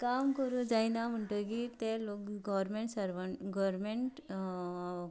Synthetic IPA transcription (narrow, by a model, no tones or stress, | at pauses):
kamkəɾud͡zajnam̤əɳʈəkit̪elokɡɔʋɾmeɳʈsəɾʋəɳɡɔɾmeɳʈ